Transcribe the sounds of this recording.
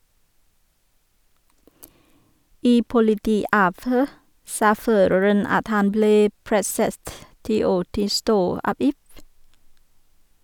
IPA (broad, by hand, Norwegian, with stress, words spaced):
ˈiː pʊlɪˈtiːˌɑːʋˌhøː ˈsɑː ˈføːɾəɹən ˈɑt ˈhɑn ˈbleː ˈpɾɛsət ˈtiː ˈoː ˈtɪlˌstoː ˈɑːb ˈɪf